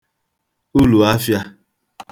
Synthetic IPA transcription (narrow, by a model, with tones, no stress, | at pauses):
u˦lu˨a˦fja˦